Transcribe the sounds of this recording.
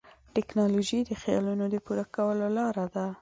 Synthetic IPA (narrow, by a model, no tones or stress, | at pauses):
ʈɛknɑloʒid̪əxjɑ̰lunod̪əpuɾakawəlolɑɾad̪a